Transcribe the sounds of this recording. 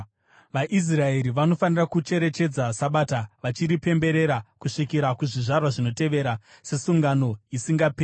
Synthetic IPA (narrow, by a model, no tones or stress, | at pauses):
ʋaʔis̬rae̞ɾiʋano̞fanirakut͡ʃe̞ɾe̞t͡ʃe̞d͡zasaɓaːtaʋat͡ʃiɾipe̞mbe̞ɾe̞ɾakuʂikiɾakuʐiʐarwaʐino̞te̞ʋe̞ɾase̞suŋɡano̞isiŋɡapeː